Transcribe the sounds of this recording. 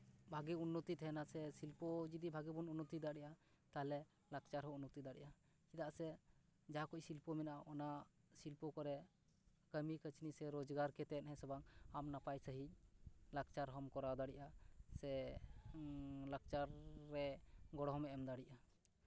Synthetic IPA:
bʱaɡɛunːɔt̪it̪ʰɛɛnasɛsilpɔd͡ʒid̪ibʱaɡɛbɔnunːɔt̪id̪aɽiʔa | t̪aɦlɛ | lak̚t͡ʃaɾɦɔunːɔt̪id̪aɽiʔa | kid̪aʔsɛ | d͡ʒakɔc̚silpɔmɛnaʔaʔɔna | silpɔkɔɾɛ | kəmikət͡ʃnisɛɾɔd͡ʒɡaɾkɛt̪ɛt̪̚hɛ̃sɔbaŋamnapajsəɦic̚ˀlak̚t͡ʃaɾɦɔmkɔɾawd̪aɽiʔasɛ | lak̚t͡ʃaɾːɛɡɔɽɔɦɔmɛɛmd̪aɽiʔa

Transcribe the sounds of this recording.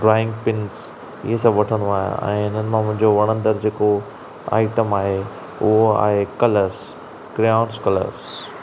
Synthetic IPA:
ɖɾaːɪ̃ŋɡpɪns | ɪ̰ɦesɐ̃bʋɐʈʰə̃nd̪oaːɦjõ̰ɛ̰̃ːɪn̤ənɪ̆mãmʊ̃ɦɪ̃ɲd͡ʑoʋɐɽ̃ə̃nd̪əɾd͡ʑeːko | a̰ːɪʈəmaːɦe | ʊɦoa̰ːɦekɐləɾz | ɡɾaːʊɳskɐlə̰ɾz

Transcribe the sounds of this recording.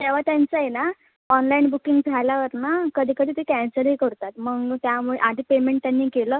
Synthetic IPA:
t̪aʋ̤at̪jant͡səjena | ɔnlainbukiŋɡpʰalaʋəɾnakəd̪ʱiːkəd̪it̪ikɛ̃nsəɾɦikəɾt̪at̪məɡt̪jamuɭḛʔad̪ʱiːpemeɳʈ̚t̪janːiːkeləː

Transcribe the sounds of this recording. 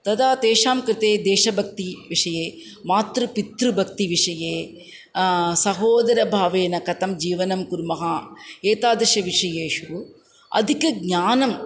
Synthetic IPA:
t̪ɐðaːt̪eːʂaːmkɾɨt̪eːd̪eːʂɐbʱɐk̚t̪iʋɪʂɐjeː | maːt̪ɾɯpit̪ɾɯbʱɐk̚t̪iʋɪʂɐjeː | sɐɦoːd̪ɐɾɐbʱaːʋeːnɐkɐt̪ɐmd͡ʒiːʋɐnɐmkuɾmɐɦaːeːt̪aːd̪ɐʂɐʋɪʂɐjeːʂu | ɐ̰d̪ikːɯɡ̚ɲaːnɐm

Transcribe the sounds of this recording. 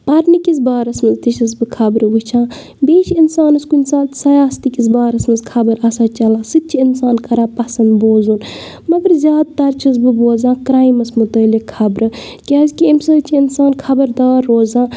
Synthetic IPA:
pɐɾnikʲis̬baːɾɐsmɐzt̪iʃɐs̬bɨkʰɐbɾɨʋɨt͡ʃʰãː | beːʃinsaːnɐskuinsaːnt̪sɐjaːst̪ikis̬baːɾɐsmɐzkʰɐbɐɾɐsaːt͡ʃɐlaːsɨt̪̚t͡ʃʰiinsaːnkɐɾaːpɐsɐnd̪boːzun | mɐɡəɾzʲjaːd̪̚t̪ɐɾt͡ʃʰɐs̬bɨboːzãːkɾaːjimɐsmut̪əːlikʰɐbɾɨ | kʲaːzʲkʲiːmsɨːt͡ʃʰiinsaːnkʰɐbɐɾd̪aːɾːoːzãː

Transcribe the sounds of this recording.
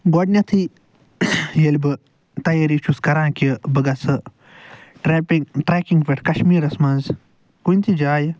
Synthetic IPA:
ɡoɖnʲɐt̪ʰi | jelʲbɨ | t̪ɐjeɾit͡ʃʰuskɐɾãːkəbɨɡɐsɨ | ʈɾeːpiŋɡʈɾeːkiŋɡʋʲeʈʰkɐʃmiːɾɐsmɐnz | kunʲt̪ʰid͡ʒaːj

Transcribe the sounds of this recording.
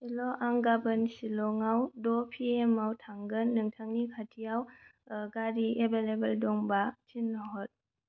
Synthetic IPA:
silɔʔaŋɡabənsilɔŋawdɔpʰiemawtʰaŋɡɯnːɯŋtʰaŋnikʰatʰijawɡaɾiʔebelebeldɔŋbatʰinːɔɦɔt̚

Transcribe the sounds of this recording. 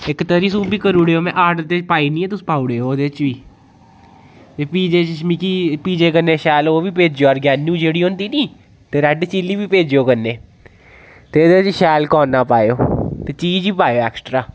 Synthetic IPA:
ɪkt̪əɾiːsũːbiːkəɾuːɽeːoːmɛ̃ːʔaːʈt̪eːpaːiːnĩːɛːt̪ʊsũ̥ːpaːuːɽeːoːd̪eːt͡ʃʋiː | t̪eːpiːd͡ʒeːʃmikiːpiːd͡ʒeːkənːẽːʃɛːloːʋiːp̬eːd͡ʒjoːɔːɾɡaːnjũːd͡ʒeːɽiːɦõːnd̪iːnĩː | t̪eːɾɛɖt͡ʃiːliːʋiːpeːd͡ʒoːkənːeː | t̪eːəd̪eːɪt͡ʃʃɛːlkɔːnːaːpaːeoːt̪eːt͡ʃiːd͡ʒʋiːpaːjoːɛːksʈɾaː

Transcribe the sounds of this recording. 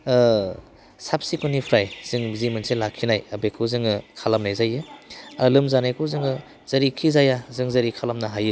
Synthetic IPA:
sap̚sikʰunipʰɾajz̥ɯŋbizimɯnselakʰːinajɐbekʰɯzɯŋɯkʰalamnajzajɯalɯmzanajkʰɯzɯŋɯ | z̥ɐɾikʰizajazɯŋzɐɾikʰalamnaɦajɯ

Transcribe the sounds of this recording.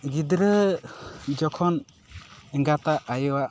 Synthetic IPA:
ɡid̪ɾə | d͡ʒɔkʰɔn | ɛŋɡat̪aʔajɔwaʔ

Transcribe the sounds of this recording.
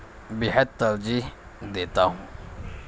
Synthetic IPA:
biɦət̪ːəɾd͡ʑiːɦ | d̪et̪aɦũː

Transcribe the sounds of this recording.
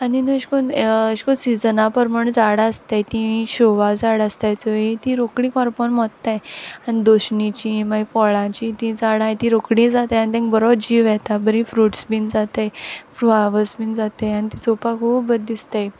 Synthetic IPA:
aninuɕkonəɕkosid͡zənãpəɾməɳd͡zaɽaəst̪ajt̪ĩɕoʋad͡zaɽast̪jajt͡səɦet̪ĩɾokɽĩkɔɾpɔnmɔt̪t̪ajanid̪oɕɳit͡ɕimaifɔɭãt͡ɕiːt̪ĩd͡zaɽãjt̪ĩɾokɽĩd͡zat̪eanit̪ẽŋkbəɾobɾd͡ʑiːʋjɛt̪abəɾĩfɾuʈsbiːnd͡zat̪ejfɾuaʋəsbind͡zat̪ejanit̪it͡sopakʰuːpbəd̪̚d̪ist̪aj

